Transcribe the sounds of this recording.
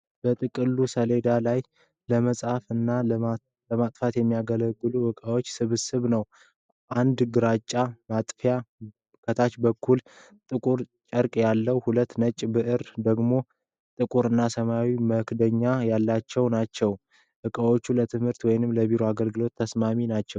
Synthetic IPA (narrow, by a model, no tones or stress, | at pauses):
b̥ət̪ʼɨkʼɨlːusəle̞d̪alaj | ləməsʼafɨnːa | ləmat̪ʼfat̪jɛmːijaɡələɡːɨluʔɨkʼawot͡ʃːsɨβɨsɨβnəw | ʔand̪ɡɨɾat͡ʃʼːamat̪ʼfja | kʰət̪ʰat͡ʃbəkʰːul | t̪ʼɨkʼuɾt͡ʃʼəɾkʼjalːəwhulət̪ːnət͡ʃʼbɨʔɨɾd̪əɡmo̞ | t̪ʼɨkʼuɾɨnːasəmawiməkd̪əɲːajalːat͡ʃːɛwnat͡ʃːɛw | ʔɨkʼawo̞t͡ʃːulət̪ʰɨmhɨɾt̪wɔjnɨmləbiɾoaɡəlɡɨlo̞t̪ʰːəsmaminat͡ʃːɛw